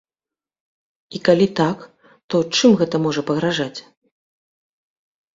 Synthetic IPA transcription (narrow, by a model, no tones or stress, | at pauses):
ikalʲit̪ak | t̪ɔt͡ʂɨmɣɛt̪ɐmɔʐɐpɐɣɾaʐat͡sʲ